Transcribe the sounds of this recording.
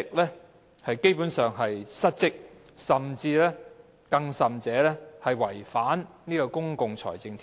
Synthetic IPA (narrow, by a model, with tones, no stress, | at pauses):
ɪ˨k̚lɛː˥ | hɐ˨jke˥jpuː˨˥nsœː˨ŋɦɐ˨jsɐ˥t̚t͡sɪ˥k̚ | sɐ˨mt͡siː˧lɛː˥ | kɐ˧ŋsɐ˨mt͡sɛː˨˥lɛː˥hɐ˨jwɐ˨˩jfaː˨˥nniː˥kɔː˧kʊ˥ŋkʊ˨˧ŋt͡sʰɔ̰ː˨˩jt͡sɪ˧ŋt̪ʰi˨